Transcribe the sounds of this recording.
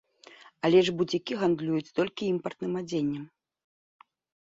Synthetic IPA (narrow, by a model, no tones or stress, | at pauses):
alʲɛʐbud͡zʲikʲiɣand̪lʲujut͡sʲt̪ɔlʲkʲiimpɐrt̪nɨmad͡zʲenʲːɛm